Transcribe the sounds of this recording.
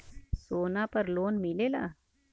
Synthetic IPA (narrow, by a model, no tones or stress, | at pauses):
soːnapəɾloːnmɪleːla̰ː